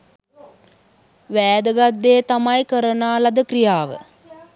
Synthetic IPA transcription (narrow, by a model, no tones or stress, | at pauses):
ʋæːd̪əɡad̪ːeːt̪amajkəɾənaːlad̪əkrijaːʋə̰